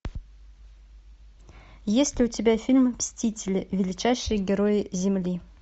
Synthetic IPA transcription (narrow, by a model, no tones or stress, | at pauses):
jesʲlʲɪʊtʲɪbʲæfʲilʲmpsʲtʲitʲɪlʲɪvʲɪlʲɪt͡ɕæjʂɨjəɡʲɪɾojɪzʲɪmlʲi